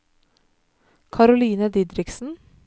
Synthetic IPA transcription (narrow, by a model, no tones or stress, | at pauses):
kʰɑɾʊliːnəd̪ɪd̪ɾɪksn̩